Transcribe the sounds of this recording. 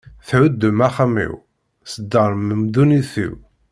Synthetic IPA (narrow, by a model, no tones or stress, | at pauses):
θʕʊd̪ːəmæχamḭw | səd̪ːəɾˤməmd̪uniθḭw